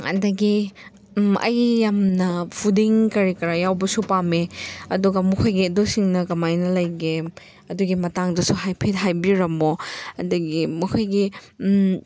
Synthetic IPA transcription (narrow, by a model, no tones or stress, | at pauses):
ɐ̰dɐɡi | ɐ̰jːamnɐpʰudiŋkɐɾikɐɾajawbɐsupameɐduɡɐmɐkʰojɡidosiŋnɐkɐmajnɐlɐjɡe | ɐduɡimɐtaŋdɐsuɦajpʰet̚ɦajbiɾɐmoɐ̰dɐɡimɐkʰojɡi